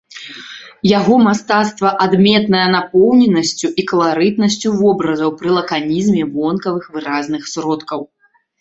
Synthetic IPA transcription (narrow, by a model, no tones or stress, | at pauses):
jaɣɔmast̪at̪st̪vɐʔad̪mʲɛt̪nɐjɐnapɔwnʲɛnɐsʲt͡sʲuʔikɐlˠaɾɨt̪nɐsʲt͡sʲuvɔbɾɐzɐwpɾɨlˠɐkanʲizmʲɛbɔnkɐvɨxvɨɾaznɨxsɾɔt̪kɐw